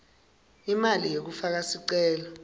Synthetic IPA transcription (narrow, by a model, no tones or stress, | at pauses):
imalijek̬ufak̬asiǀɛːlɔ